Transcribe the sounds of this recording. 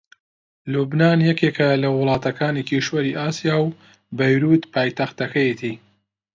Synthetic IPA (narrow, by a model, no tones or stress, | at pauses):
lubnaːnjɐkeːkʰɐlɐwʊlˠɑːt̪ɐkaːnikiʃwɐɾiʔaːsijaːw | bɐjɾuːt̪paːjt̪ɐxt̪ɐkɐjet̪ʰi